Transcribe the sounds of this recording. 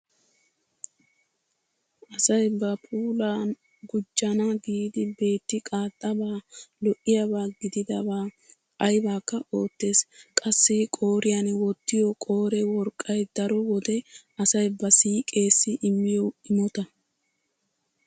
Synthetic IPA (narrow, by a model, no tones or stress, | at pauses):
ʔɐsɐjbɐpʼuːlaːn | ɡʊd͡ʒːɐnɐɡiːd̪ɪbe̞ːt̪ːɪkʼaːt̪ʼːɐbaːlɔʔːɪjɐβaːɡɪd̪ɪd̪ɐβaː | ʔɐjbaːkːɐʔo̞ːt̪ːe̞ːskʼɐsːɪkʼo̞ːɾɪjanwɔt̪ːɪjɔkʼo̞ːɾɛwɔɾkʼːɐjd̪ɐɾɔwɔd̪ɛɐsɐjbɐsiːkʼe̞ːsːɪʔɪmːɪjɔɪmɔt̪ɐ